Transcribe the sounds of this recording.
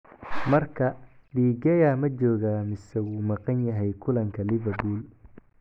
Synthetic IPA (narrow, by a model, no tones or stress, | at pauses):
mɐrkʰɐɖiːɡɛjamɐt͡ʃɔːɣaːmɪsɛwuːmɑqɑnjɐɦɛjkʰʊlɐŋkʰɐlɪvɐrbuːl